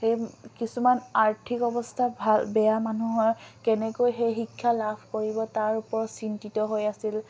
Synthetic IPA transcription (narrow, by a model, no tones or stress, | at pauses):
xejkisumanaɹtʰikɔbɔstʰabʱalbɛjamanuɦɔjkɛnɛkojxejxikʰːalabʰʱkoɹibɔtaɹupɔɹɔtsintitɔɦojasil